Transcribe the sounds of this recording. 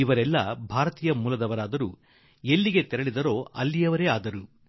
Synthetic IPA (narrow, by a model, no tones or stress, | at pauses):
iʋɐɾɛlːɐbʱaːɾɐt̪iːjɐmuːlɐd̪ɐʋɐɾaːd̪ɐɾuː | e̞lːiɡet̪ɛɾɐɭid̪ɐɾo̞ːɐ̰lːijɐʋɐɾeːaːd̪ɐɾu